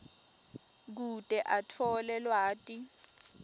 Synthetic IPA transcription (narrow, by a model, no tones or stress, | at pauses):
k̬utʼɛʔatʰɔlɛlwaːtʼi